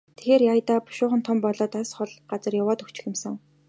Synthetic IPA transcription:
t̪ʰe̥xeːrjajt̪aːpʊ̥ʃʊːχə̆nt̪ʰɔmpɔɮɔːt̪asχɔɮɢat͡sə̆rjawaːt̪ɵkt͡ɕɪ̥̆xʲɪ̆msə̆ŋ

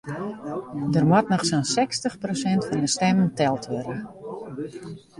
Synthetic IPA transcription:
dərmwɔtnɔxsonsɛkstəxprosɛntfɔndəstɛməntɛlˠtʰʋøɾə

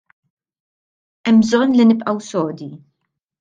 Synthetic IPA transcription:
ʔɛmːbzɔnːlinɪbʔɐwsɔːd̪i

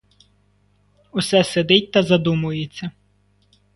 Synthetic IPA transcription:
usɛsed̪ɪt̚ʲt̪ɐzɐd̪umʊjet͡sʲːɐ

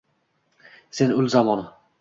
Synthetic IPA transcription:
senʊlzamɒnɪ

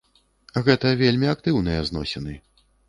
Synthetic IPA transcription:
ɣɛt̪ɐvʲelʲmʲiak̚t̪ɨwnɨjɐznɔ̰sʲɛnɨ

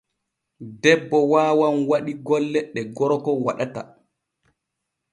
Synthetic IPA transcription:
dɛbːɔwaːwanwaɗiɡɔlːɛɗɛɡɔɾɔkɔwaɗata̰

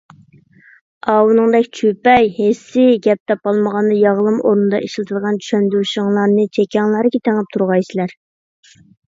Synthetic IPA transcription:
ɑwunɨŋd̪ɛkʲt͡ʃʰypɛjhesːɪɡʲɛp̚t̪ʰɛpɑlˠməʁɑnd̪ɨjɑʁlˠɨmoɾnɨd̪ɑ̰ʔeʃlˠɨt̪ʰɨlˠʁɑnt͡ʃʰy̥ʃɛnd̪yʃɪŋlˠɑɾnɨt͡ʃʰɛkʲɑŋlˠɑɾɡʲɛt̪ʰeŋɪp̚t̪ʰuɾʁɑjsɪlæɾ

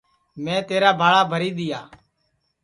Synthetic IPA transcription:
mɛ̃ːt̪eːɾaːbʱaːɭaːbʱəɾiːɗ̪ɪjaː

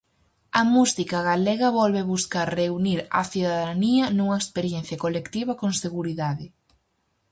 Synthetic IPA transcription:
ɐmusikɐɣaleɣɐβɔlβeβuskaɾreuniɾɐ̰θiðaðaniɐnuŋɐekspeɾjen̟θjɐkolekt̪iβɐkoŋseɣuɾiðaðɪ

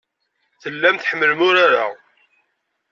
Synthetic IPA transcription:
θəlːæmt̪ħəmːəlmʊɾaɾa

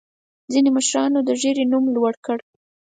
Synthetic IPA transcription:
d͡zineməʃɾɑnod̪əʒeɾenumlwaɽkəɽ

